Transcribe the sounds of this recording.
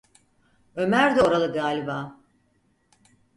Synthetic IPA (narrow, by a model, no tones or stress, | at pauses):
ø̞mæɾd̪o̞ɾalˠɯɡaːlʲibaː